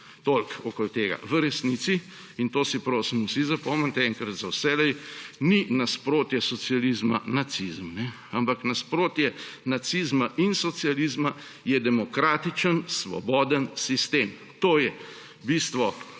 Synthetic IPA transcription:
t̪olkɔkolt̪eːɡa̰ʋəɾɛsnit̪si | int̪oːsipɾoːsimusizapɔmənt̪ɛɛŋkɾɐt̪zawsɛlɛjninaspɾoːt̪jɛsɔsijalizma̰nat̪sizmnɛ | ampaknaspɾoːt̪jɛnat̪sizmaʔinsɔt̪sijalizma | jɛd̪ɛmɔkɾaːt̪it͡ʃənsʋɔ̰bɔːd̪ənsist̪eːm | t̪oːjɛ | bist̪ʋɔ

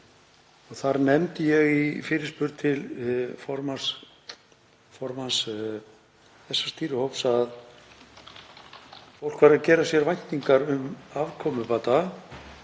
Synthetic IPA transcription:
ɔɣθaɾnɛmt̪ɪjɛɣifɪːɾɪ̥spʏɾt̪ʰɪlfɔɾmas | fɔɾmans | θɛsːḁst̪iːɾʏhowpsað | fow̪̥kvaɾɪðacɛːɾasjɛɾvajn̥t̪ːiŋkaɾʏmavkʰɔmʏpaːt̪a

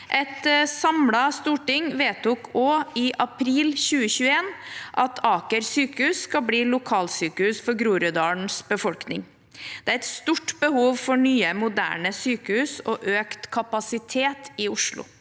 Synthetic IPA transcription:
ʔɛt̪sɑmlɑst̪uːʈɪŋʋeːt̪ʰʊkʰoːɪʔɑpʰɾiːlçʉːəɕʉːəeːnʔɑt̪ʰɑːkəɾsyːkəhʉːsːkɑbliːlʊkʰɑːlsyːkəhʉːsfɔɾɡɾuːɾəd̪ɑːɳsbəfɔlknɪ̰ŋ | d̪̥ɛæɾɛt̪st̪uʈbəhuːʋfɔɳyːəmʊd̪æ̰ːɳəsyːkəhʉːsɔʔøːkt̪kʰɑpɑsɪt̪ʰeːt̪ɪʊʂlʊ̰

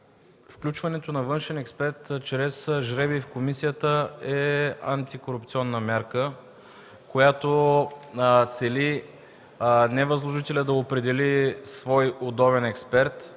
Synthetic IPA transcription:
fklʲut͡ʃvɐnɛt̪onɐvɤnʃɛnɛkspɛɾt̪t͡ʃɾɛsʒɾɛbifkomisijət̪əɛa̰nt̪ikoɾup̚t̪siɔnːəmʲjaɾkə | kojat̪o | t̪sɛli | nɛvəzlˠoʒit̪ɛlʲəd̪ɐopɾɛd̪ɛlisvɔjod̪ɔβɛnɛkspɛɾt̪

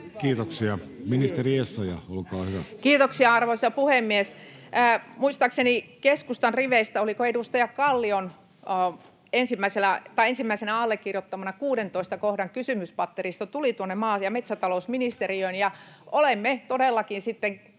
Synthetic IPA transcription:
kiːt̪oksiɑminist̪eriesːɑjɑolkɑːhyʋækiːt̪oksiɑɑrʋoisɑpuhemːiesː | muist̪ɑksenikeskust̪ɑnriʋeist̪æolikoedust̪ɑjɑkɑlːionː | ensimːæisenæt̪ɑiensimːæisenæɑlːekːirjot̪ːɑmɑnɑkuːɾent̪oist̪ɑkohdɑŋkysymyspɑt̪ːerist̪ɑt̪ulit̪uonːemɑːjɑmet̪sæt̪ɑlousminist̪eriøinjɑ | olemmet̪odelːɑkinsit̪ːeŋ

